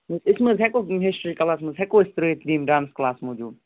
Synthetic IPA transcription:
məzɪsməzɦɛkoɦesʈɾiːkɐlaːsmə̃zɦɛkoɪst̪ɾeːt̪diːmɖaːnsklaːsmoːd͡ʒuːd̪

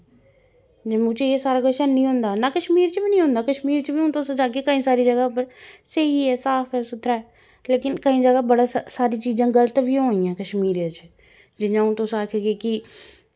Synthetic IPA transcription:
mʊ̃t͡ʃeeːsaːɾaːɡəʃənnĩːɦʊ̃ːnd̪aːnaːkəʃmiːɾt͡ʃəbinĩːɦõːnd̪aːkəʃmiːɾt͡ʃəbiʊ̃ːt̪ʊsõd͡ʒaːkekəːĩːsaːɾiːd͡ʒəɡaːpəɾsəɦiːɛːsaːpʰɛːsʊt̪ʰɾaːɛː | leːkɪnkəĩːd͡ʒəɡaːbəɽaːsaːɾiːt͡ʃiːzãːɡələt̪bijãijãːkəʃmiːɾjat͡ʃ | d͡ʒɪɲãːʊ̃t̪ʊsaːkʰeɡeki

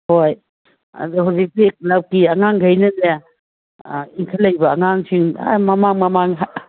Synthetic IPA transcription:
hoj | a̰duɦawzik̚sik̚lap̚kiaŋaŋɡʱajnɐnaja | iŋkʰalajbɐːŋaŋsiŋa̰mamaŋmɐmaŋɦa

